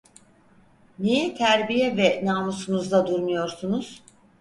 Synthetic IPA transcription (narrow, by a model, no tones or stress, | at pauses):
nijɛt̪ʰæɾbijɛvɛnaːmusunuzd̪ad̪uɾmujo̞ɾsunuz̥